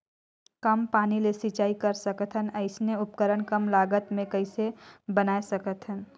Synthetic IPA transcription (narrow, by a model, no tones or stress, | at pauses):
kɐmpaːnilesit͡ʃaːikəɾsəkət̪ɦənəɪsneʊpkəɾəɳkəmlaːɡət̪mẽkəɪsebənaːesəkət̪ɦən